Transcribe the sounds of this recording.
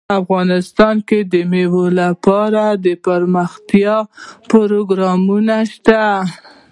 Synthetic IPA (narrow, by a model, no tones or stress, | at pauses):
afɣɑnɪst̪ɑnked̪əmewolapɑɾad̪əpəɾməxt̪jɑpoɾoɡɾɑmunaʃt̪a